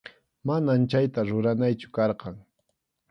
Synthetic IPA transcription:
manamt͡ʃajt̪aɾʊɾanajt͡ʃʊ̥kɑɾqɑŋ

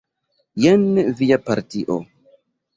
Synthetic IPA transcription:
jenvijapaɾtiʔo̰

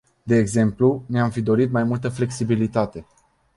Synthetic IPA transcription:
d̪e̞ːɡze̞mpluneamfid̪o̞ɾit̪majmult̪əfle̞ksibilit̪at̪e̞

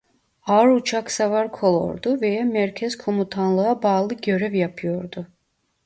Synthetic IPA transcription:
aɾut͡ʃʰaksavaɾkʰo̞lˠo̰ɾd̪uve̞jamæɾcʰɛz̥kʰo̞mut̪ʰanlˠɯabaːlˠɯɟø̞ɾɛvjapʰɯjo̞ɾd̪ʊ

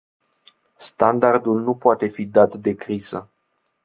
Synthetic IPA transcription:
st̪and̪ard̪ulnupoat̪e̞fid̪at̪d̪e̞kɾiz̥ə̰

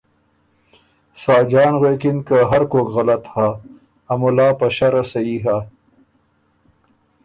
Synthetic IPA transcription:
sɑːd͡ʑɑːnɣwekinkaɦɐɾkoːkɣɐlɐt̪haː | mulɑːpɐɕaɾasɐiɦa

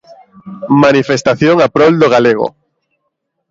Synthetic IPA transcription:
manifest̪aθjoŋapɾold̪oɣaleɣ̞o̰

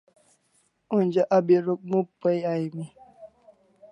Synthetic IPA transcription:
und͡ʒəʔabeɾok̚mupəjaimi

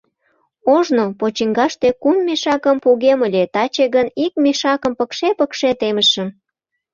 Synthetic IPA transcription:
oʒnopot͡ɕiŋɡɑʃt̪ekumːeʃɑkəmpuɣeməlʲet̪ɑt͡ɕeɣənik̚meʃɑkə̆mpəkʃepəkʃet̪eməʃəm

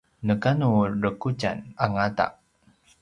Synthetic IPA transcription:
nəkanuɾəkud͡ʒa̰naŋata̰ʔ

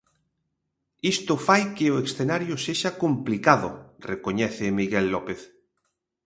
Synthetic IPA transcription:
ist̪ofajkeoeksθenaɾjoseʃakomplikaðo̰rekoɲɛθemiɣelːɔpeθ

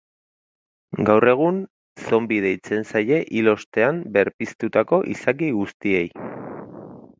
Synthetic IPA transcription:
ɡawre̞ɣ̞un | so̞mbið̞e̞jt͡se̞nsaje̞ʔilo̞st̪e̞ambe̞ɾpist̪ut̪ako̞ʔisak̬iɣust̪ie̞j

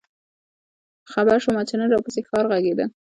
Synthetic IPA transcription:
xabaɾʃomɑt͡ʃenəɾɑwpəsexɑɾɣaɡed̪ə

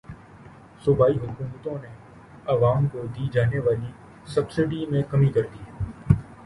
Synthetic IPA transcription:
sʊbʱaːiɦʊkuːmət̪õne | ɐʋaːmkod̪iːd͡ʒaːneʋaːli | sɐbsɪɖimẽkɐmikɐɾd̪iːɦɛ

